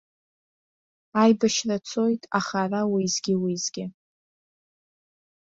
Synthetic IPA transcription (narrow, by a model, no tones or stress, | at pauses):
ajbaʃrat͡sʰo̞jtʼaχarawiːzɡʲɪwizɡʲɪ